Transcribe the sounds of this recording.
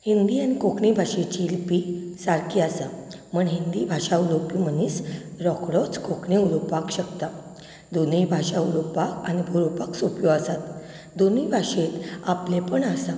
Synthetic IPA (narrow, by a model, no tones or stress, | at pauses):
hind̪iːanikokɳibʱaʂet͡ɕiːlpisaɾkʰiasa | məɳɦind̪ibʱaʂaulopiməniːsɾɔkɽɔt͡skokɳiulopakɕəkt̪a | d̪onibʱaʂaulopakanibʱuɾopaksopjɔasat̪ | d̪onibʱaʂet̪aplepəɳasa